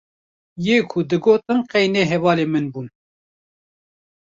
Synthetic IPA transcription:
jeːkʰʊd̪ɨɡoːt̪ɨnqɛjneːɦɛvɑːleːmɨnbuːn

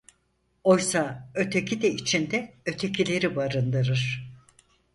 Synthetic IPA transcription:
o̞jsaø̞t̪ʰe̞cʰid̪ɛit͡ʃʰind̪ɛø̞t̪ʰe̞cʰilʲe̞ɾibaɾɯnd̪ɯɾɯɾ̥

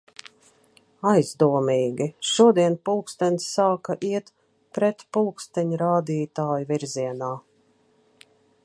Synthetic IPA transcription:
ajzd̪uɔmiːɡiʃuɔd̪iɛnpulˠkst̪ɛnsːaːkaʔiɛt̪ | pɾɛt̪pulˠkst̪ɛɲuɾaːd̪iːt̪aːjuviɾziɛnaː

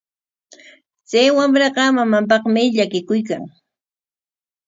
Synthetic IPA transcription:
t͡sajwamɾɑɢɑmamamp̬ɑχmɪʎakɪkʊjka̰ŋ

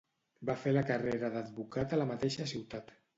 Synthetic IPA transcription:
bafeləkareɾəðad̪βukat̪ələmat̪eʃəsiwt̪at̪

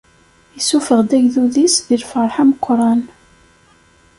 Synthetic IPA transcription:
əsufəʁd̪æʝðuðisðilfəɾˤħaməqʷːɾˤɑn

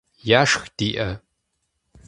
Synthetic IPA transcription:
jaːʂxd̥iːʔɐ

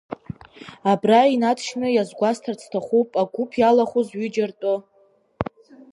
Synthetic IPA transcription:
abrainatʰʃnɨjazɡʷastʰart͡sʰtʰaχʷupʼaɡʷupʰjalaχuzɥid͡ʒartʼʊ

